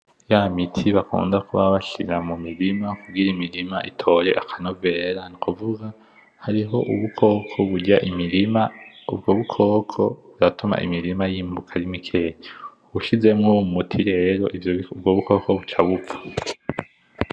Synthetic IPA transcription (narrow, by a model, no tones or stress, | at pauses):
jamitʰiβakṵːndakuβaβaʃḭɾamumiɾimakuɡiɾaimiɾimaʔitʰo̞ɾe̞̰ʔakʰanove̞ːɾanikuvuɡa | haɾiɦo̞ʔuβukʰo̞ːkʰoβuɟaʔimiɾimaub̚ɡoːβukʰo̞ːkʰo̞̰βuɾatuma̰ʔḭmiɾimajiːmbukʰaɾimikʰe̞ːɲe | βuʃize̞mŋomumutʰiɾe̞ɾo̞̰ʔivjoub̚ɡoːβuko̞ːkoβut͡ʃaβuḁ